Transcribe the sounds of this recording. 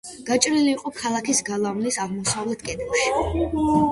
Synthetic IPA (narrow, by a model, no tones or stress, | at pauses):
ɡ̥at͡ʃʼɾiliːqʼɔkʰalˠakisɡalˠamlisaʁmɔsavlɛt̪ʰkʼɛt̪ʰɡaʃi̥